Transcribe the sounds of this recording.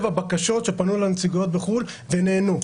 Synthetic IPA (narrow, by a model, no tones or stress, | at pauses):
vabakaʃo̞t̪ʃe̞panulenet͡siɡjot̪̚beχul | veneːnu